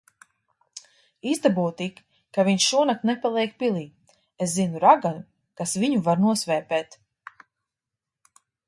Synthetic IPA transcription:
izd̪abut̪ik | kːaviɲʃuɔnat̪nɛpalˠɛɛk̚pilˠiː | eszinuɾaɡan | kasviɲuvaɾnuɔsvɛːpɛːt̪

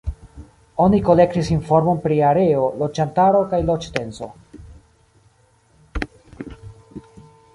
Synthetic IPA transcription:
o̞niko̞le̞ktisinfo̞ɾmo̞npɾiaɾe̞o̞lo̞d͡ʒantaɾo̞kajlot͡ʃte̞nso̞̰

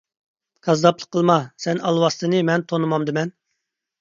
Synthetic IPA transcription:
kʰɑzd̪ɑplˠə̥qʰːəlˠmɑsɛnɑlˠwɑst̪ɨnɨmɛnt̪ʰonɨmɑmd̪ɪmɛn

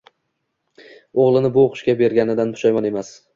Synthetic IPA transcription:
oʁlˠɪnɪbʊoqʰʊ̥ʃkʲabe̞ɾɡʲanɪd̪anpʰʊ̥ʃajmane̞mas

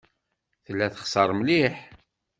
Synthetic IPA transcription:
θəlːæθə̥χsɑɾˤmliħ

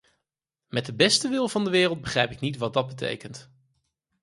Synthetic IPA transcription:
mɛt̚dəbɛstəʋɪlˠvɑndəʋɪːrəlˠd̚bəχrɛjpɪknitʋɑd̚dɑd̚bətḛjkənt

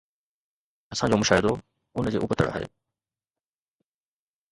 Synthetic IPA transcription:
ɐsãd͡ʑoːmʊʃaːɦɪd̪o | ʊnd͡ʑeːʔʊpət̪ə̰ɽa̰ːɦḛː

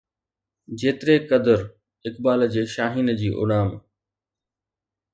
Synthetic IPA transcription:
d͡ʑeːt̪ɪɾekəd̪əɾ | ɪkbaːld͡ʑeːʃaːɦiːnd͡ʑiːʔʊ̰ɽaːm

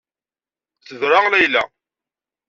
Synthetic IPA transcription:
t͡sːəðɾˤalæjlæ̰

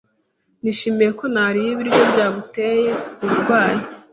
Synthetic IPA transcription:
niʃimejeko̞naɾijiβiɾɡjo̞bɟaːβuteje̞uɾuɾɡwaːji

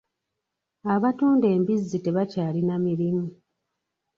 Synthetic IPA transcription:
aβatuːnde̞ːmbizːite̞βacaːlinamiɾimu

